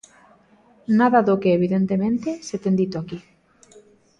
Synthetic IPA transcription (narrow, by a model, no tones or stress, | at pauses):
naðaðokeːβ̞iðent̪emẽnt̪eset̪end̪it̪oaki